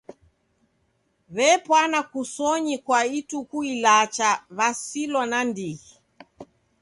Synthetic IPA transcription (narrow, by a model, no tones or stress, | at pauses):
βɛpwanakusɔɲikwaitukuilat͡ʃaβasilɔnandihi